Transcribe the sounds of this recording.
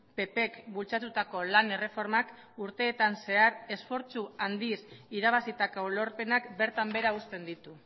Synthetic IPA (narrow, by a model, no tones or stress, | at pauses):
pe̞pe̞kbult͡sat̪ut̪ako̞lane̞re̞fo̞ɾmak | uɾt̪e̞ːt̪anse̞aɾe̞sfo̞ɾt͡suand̪isiɾaβ̞asit̪akolo̞ɾpe̞nakbe̞ɾt̪ambe̞ɾaust̪e̞nd̪it̪u